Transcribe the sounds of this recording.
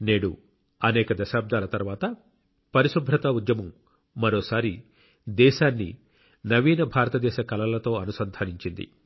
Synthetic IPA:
neːɽṵ | ɐnɛːkɐd̪ɐʃaːb̚d̪ʱaːlɐt̪ɐɾʋaːt̪ɐ | pɐɾiʃubʱɾɐt̪ɐud̪jɐmɐmː | ɐɾoːsaːɾi | d̪ɛːʃaːnːḭ | nɐʋiːnɐbʱaːɾɐt̪ɐd̪ɛːʃɐkɐlɐlɐt̪o̞ːɐnusɐnd̪ʱaːniɲt͡ʃind̪ḭ

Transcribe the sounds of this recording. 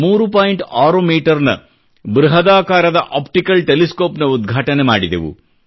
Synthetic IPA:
muːɾupaːjiɳʈaːɾoːmiːʈɐɾnɐ̰ | bɾuɦɐd̪aːkaːɾɐd̪ɐʔaːpʈikɐlʈeliskoːpnɐud̪ɡʱaːʈɐnemaːɽid̪ɐ̰ʋṵ

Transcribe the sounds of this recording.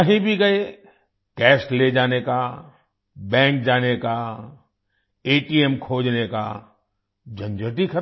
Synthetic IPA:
ɐɦĩbʱiɡɐe | kɛːsʈled͡ʒaːneka | bɛ̃ːŋk̚d͡ʒaːneka | eːʈiemkʰoːd͡ʒneka̰ | d͡ʒɐ̃nd͡ʒəʈikʰɐɾ

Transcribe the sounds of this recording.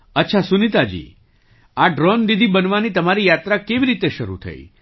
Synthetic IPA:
ətːʃʰasunit̪ad͡ʒḭ | aɖɾɔnd̪id̪ʱibənʋanit̪əmaɾijat̪ɾakeʋiɾit̪eʃəɾṵt̪ʰə̰ḭ

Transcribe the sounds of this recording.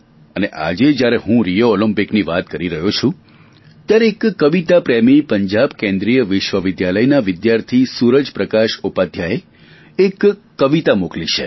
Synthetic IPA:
əneʔa̰d͡ʒed͡ʒjaɾeɦũɾijoːləmpikniʋat̪̚kəɾiɾəɦot͡ʃʰũ | t̪jaɾeːkːəʋit̪apɾemipəɲd͡ʒabkẽnd̪ɾijəʋɪʃʋəʋɪd̪jaləjnaʋɪd̪jaɾt̪ʰisuɾəd͡ʒpɾəkaʃupad̪ʱjae | ekː | əʋit̪amoklit͡ʃʰe

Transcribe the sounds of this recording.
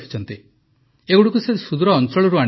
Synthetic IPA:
kʰi̥t͡ʃʰɔnt̪i | eɡuɽukusesud̪ɾɔːnt͡ʃɔɭɔɾuaɽ̃

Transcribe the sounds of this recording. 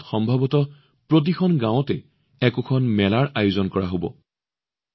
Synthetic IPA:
txɔmbʱabɔtɔ | pɹot̬ikʰɔnɡãw̃ɔtɛ | ɛkʊkʰɔnmɛlaɹajʊzɔnkɔɹaɦobɔ̰

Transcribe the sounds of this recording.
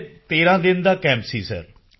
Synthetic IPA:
t̪eːɾãːd̪ɪnd̪aːkɛ̃ːmpsḭːsɛ̰ːɾ

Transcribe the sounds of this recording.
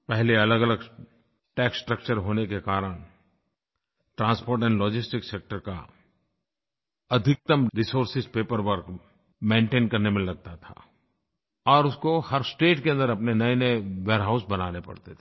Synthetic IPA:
pɛɦleɐləɡɐləɡ | ʈɛːksʈɾəkt͡ʃəɾɦoːnekekaːɾəɽ̃ | ʈɾãːnspoːɾʈɛ̃ːɳɖlɔːd͡ʒɪsʈɪkseːk̚ʈəɾka̰ | ɐd̪ʱɪk̚t̪əmɾisoːɾsɪzpeːpəɾʋəɾk | mẽːɳʈẽːnkɐɾnemẽlɐɡ̚t̪at̪ʰa̰ː | ɔːɾʊskohɐɾsʈeːʈkeɐ̃nd̪əɾɐpnenɐeneʋeːɾɦaʊsbɐnaːnepɐ̰ɽt̪et̪ʰː

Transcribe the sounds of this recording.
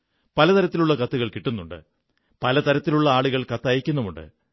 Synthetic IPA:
pɐlɐt̪ɐɾɐt̪ːiluɭːɐkɐt̪ːuɣɐɭkiʈːunːuɳɖɨ̰ | pɐlɐt̪ɐɾɐt̪ːiluɭːɐaːɭuɣɐɭkɐt̪ːɐjɐkʲːunːɐmuɳɖɨ̰

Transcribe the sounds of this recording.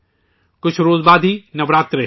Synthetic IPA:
kʊt͡ʃʰɾoːzbaːd̪ʱiːnɐʋɾaːt̪ɾɐɦ

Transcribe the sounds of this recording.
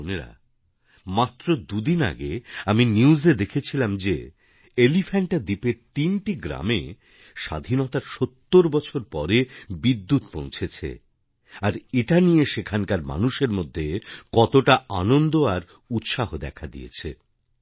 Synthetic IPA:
oneɾa̰ | mat̪ːɾod̪ud̪ina̰ɡḛaminiuzed̪ekʰet͡ɕʰilamd͡ʑe | elifʰaɳʈad̪ipeɾt̪inʈiɡɾa̰mḛ | ʃa̰d̪ʱinɔt̪aɾʃot̪ːoɾbɔt͡ɕʰoɾpɔɾebid̪ːut̪põ̰w̃t͡ɕʰet͡ɕʰḛ | aɾeʈanijeʃekʰankaɾma̰nuʃeɾmod̪ʱːekɔt̪oʈaanond̪oaɾ | ut̪ʃaɦod̪ɛ̰kʰad̪ḭjḛt͡ɕʰḛ

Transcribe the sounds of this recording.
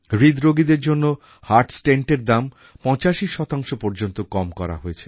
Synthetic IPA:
ɾid̪ɾoɡid̪eɾd͡ʑonːo | haɾʈsʈeɳʈeɾd̪am | pɔ̃t͡ɕaʃiʃɔt̪aŋʃopɔɾd͡ʑont̪okɔmkɔɾa̰ɦojet͡ɕʰe̥

